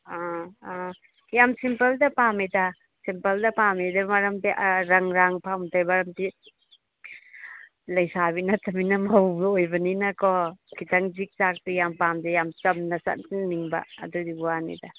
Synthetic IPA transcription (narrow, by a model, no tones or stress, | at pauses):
a | jamsimpɐldɐpameda | simpɐldɐpamedɐmɐɾɐmtiʔɾɐŋɾaŋpʰamtʰajbɐɾɐmti | lɐjsaβinɐtɐminɐmɐwbojbɐninɐkɔkʰitʰɐŋzik̚t͡ʃak̚tijampamdejamt͡ʃɐmnɐsɐ̰t̚inniŋbɐ̰ːdudibuwanḭdɐ